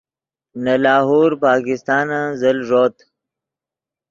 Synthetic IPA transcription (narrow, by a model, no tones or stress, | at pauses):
nalaːɦoːɾpaːkɪst̪ɑːnazɐlʐoːt̪